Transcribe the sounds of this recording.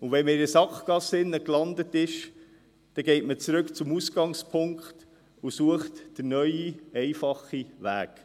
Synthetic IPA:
ʊʋɛnməɪɾəsɑkɡ̥ɑsɪnːəklɑnd̪ətɪʃ | d̪̥ɛɡɛɪtmət͡sɾɵkt͡sʊmusɡ̥ɑŋspʰʊŋkχt | usuəχtd̥ənœʏiɛɪfɑχːiʋæ̰ːk

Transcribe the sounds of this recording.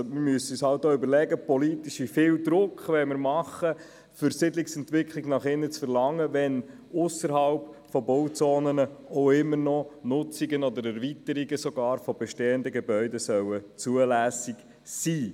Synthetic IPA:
mɪɾmyəsəyshɑltːoːybəɾlɛɡəpɔlit̪iʃifɪːwd̪ɾʊkχʋɛmɪɾmɑχːə | fʏɾsɪd̪liksɛnt̪ʋɪkχliɡnɑχɪnət͡sfəɾlɑŋːəʋɛn | ʊsəɾhɑlpfɔbɔwt͡sɔːnənəoʊɪmːərnɔnʊt͡siɡənɔd̪əɾæɾvit̪əɾiɡəsɔɡɑːɾfɔbɛʃteːənd̪əɡebœʏdɛsœwət͡suəlæːsiɡ | siː

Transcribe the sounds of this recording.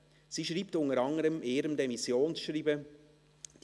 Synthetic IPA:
z̥iːʃɾiːp̚tʊŋəɾɑŋəɾəmʔeːɾəmdɛmisjoːnsʃriːbə̥

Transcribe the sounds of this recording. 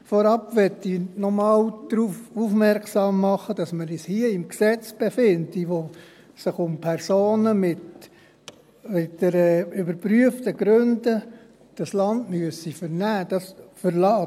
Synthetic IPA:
fɔɾɑpʋɛtːinɔmɑːld̥ɾufufmɛɾksɑːmːɑχəd̥ɑsməɾishiəɪmksɛt͡sb̥efɪndiʋo | sɪχʊmpʰɛɾsoːnəmɪt | mɪtd̥ɛɾəybəɾpɾyəftəɡ̥ɾønd̥ə | d̥ɑslɑndmyəsifəɾnæːd̥ɑsfəɾlɑː

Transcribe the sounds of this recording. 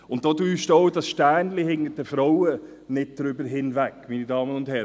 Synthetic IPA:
ʊnt̚d̥oːdyːʃtɔʊdɑsʃtæːnlɪhɪŋːədɛfɾɔwə | nɪt̚d̥ɾʏbəɾɦɪnvækːmiːnidɑːmənʊnd̥hɛɾ

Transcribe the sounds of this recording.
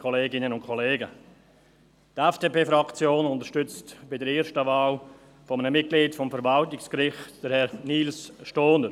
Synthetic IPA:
kʰɔleːɡɪnənʊntkʰɔleːɡə | tɛfd̥eːpeːfɾɑkt͡sjoːnʊnt̪əɾʃtʏt͡stb̥ɪdəɾeːɾʃtəvaːl | fɔmənəmɪt̚ɡ̥liːtfɔmfəɾvɑltɪkskɾɪχtd̥əɾhɛɾniːlsʃtoːnəɾ

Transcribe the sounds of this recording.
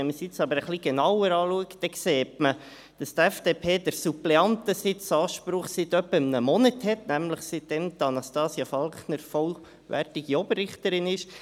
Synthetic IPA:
ɛnməsɪt͡sɑbəɾəχliɡ̥enɑwəɾɑːluəkd̥ɛkseːtmə | d̥ɑst̪æfd̥eːpʰeːd̥əɾsuplɛɑntəsɪt͡sɑːʃpɾʊχsɪt̪œpːəɪmnəmɔnəthɛt̪næmləχsɪt̚d̥ɛmd̪ɑnɑstɑːsiɑfɑlknəɾfɔl | ʋæ̰rtɪɡ̥iɔbərːɪχt̪əɾɪnɪʃ

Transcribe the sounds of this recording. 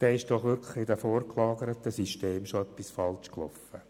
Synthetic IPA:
d̪̥ɛːɪʃd̥ɔχʋɪɾkʰləχɪdəfoːɾklɑːɡəɾət̪əsiʃteːmʃoœpːisfɑlt͡ʃklɔfə

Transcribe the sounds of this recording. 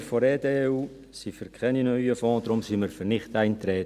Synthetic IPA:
fɔɾɛːdeːuː | sifəɾkʰɛninœyəfɔ̃ːd̪ɾʊmsiməɾfərnɪχtɛɪnt̪ɾɛːt

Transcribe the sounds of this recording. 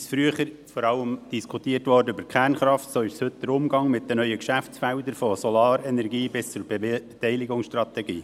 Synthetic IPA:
sfɾyəχəɾ | fɔɾɑləmd̥iskʰut̪iːərtʋɔːrdəʏbəɾkʰæːrnχɾɑftsoːɪʃshɵt̪d̪əɾʊmɡɑŋmɪt̚dənœʏəkʃæft͡sfæʊd̪əɾfɔsɔlɑːɾɛnɛɾɡiːbɪst͡sʊɾb̥et̪ɛɪlɪɡʊŋsʃtrɑt̪ɛɡiː

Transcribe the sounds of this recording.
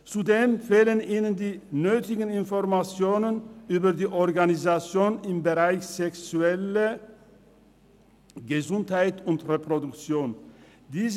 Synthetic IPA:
t͡sudeːmfeːləniːnənd̪iːnøːtɪɡən̩ɪnfɔʁmat͡sjoːnənʔyːbɐdiːʔɔʁɡanɪzat͡sjoːnɪmbəʁaɪçsɛksʉɛlə | ɡ̥əzʊnthaɪtʊntʁepʁodʊkt͡sjoːn | diːz

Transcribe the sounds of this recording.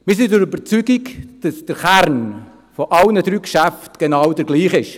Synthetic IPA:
mɪs̬idəɾybəɾt͡syɡiɡd̥ɑsd̥əɾχæɾn | fɔʔɑlnəd̪ɾyːkʃæftɡ̥enɑwd̥əɾɡliːχɪʃ

